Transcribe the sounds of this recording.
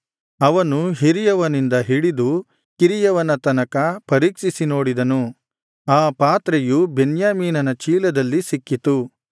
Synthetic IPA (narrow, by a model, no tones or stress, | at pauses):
ɐʋɐnuɦiɾijɐʋɐnind̪ɐɦiɽid̪u | kiɾijɐʋɐnɐt̪ɐnɐkɐpɐɾiːkʂisino̞ːɽid̪ɐnu | aːpaːt̪ɾejubenjaːmiːnɐnɐt͡ʃiːlɐd̪ɐlːisikːit̪u